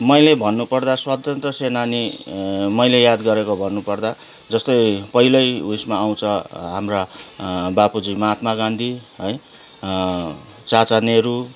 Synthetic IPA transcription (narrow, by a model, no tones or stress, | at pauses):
mʌjlebʱʌnːupʌrd̪aswat̪ʌnt̪rʌsenani | mʌjlejad̪ɡʌɾekobʱʌnːupʌrd̪a | d͡zʌst̪ʌjpʌɦilʌjusmaːw̃t͡sʰʌɦamra | bapud͡zimaːt̪maɡand̪ʱiɦʌj | t͡sat͡saneɾu